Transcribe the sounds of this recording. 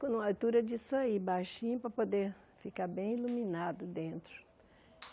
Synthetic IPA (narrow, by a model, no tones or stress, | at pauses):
kõnũawt̪uɾɐd͡ʒisoibajʃĩɲʊpɾɐpod̪eɾ | fikaɾbẽj̃iluminad̪ʊd̪ẽnt̪ɾʊ